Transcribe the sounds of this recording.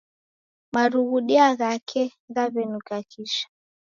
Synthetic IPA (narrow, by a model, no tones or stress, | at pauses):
maɾuɣuɗiaɣakʰɛɣaβɛnukakʰiʃḁ